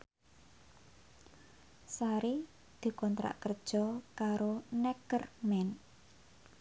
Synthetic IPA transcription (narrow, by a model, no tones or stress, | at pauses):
saɾi | d̪̥ṳkɔnt̪ɾa̰ʔkərd̥ʒ̥ɔkaɾonɛkərmɛn